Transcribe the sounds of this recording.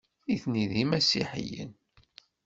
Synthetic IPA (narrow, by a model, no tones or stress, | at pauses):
iθniðimæsḭħḭjə̰n